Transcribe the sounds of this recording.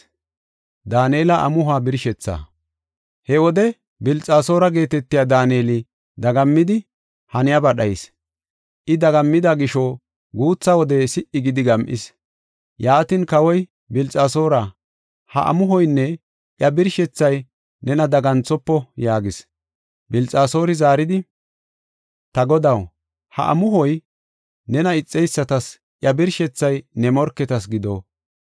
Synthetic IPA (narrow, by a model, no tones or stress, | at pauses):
d̪aːneːlɐʔɐ̰mʊɦaːbɪɾʃɛt͡sːa̰ | hɛwɔd̪ɛ | bɪlt͡sʼːaːso̞ːɾɐɡe̞ːt̪ɛt̪ːɪjaːd̪aːneːlɪ | d̪ɐɡɐmːɪd̪ɪ | hɐnɪjɐbɐɗɐjɪs | ʔɪd̪ɐɡɐmːɪd̪ɐɡɪʃo | ɡuːt͡sːɐwɔd̪ɛsɪʔɪɡɪd̪ɪɡɐmʔɪ̰s | jaːt̪ɪnkɐwɔj | bɪlt͡sʼaːso̞ːɾɐ | hɐ̰ʔɐ̰mʊɦɔjnːɛ | ʔjɐbɪɾʃɛt͡sːɐj | nɛnɐd̪ɐɡɐnt͡sːɔpːɔjaːɡɪs | bɪlt͡sʼaːso̞ːɾɪzaːɾɪd̪ɪ | t̪ɐɡɔd̪ɐw | hɐ̰ʔɐ̰mʊɦɔj | nɛnɐɪt͡sʼːɛjsːɐt̪ɐs | ʔjɐbɪɾʃɛt͡sːɐjnɛmɔɾkːɛt̪ɐsɡɪd̪o̰ː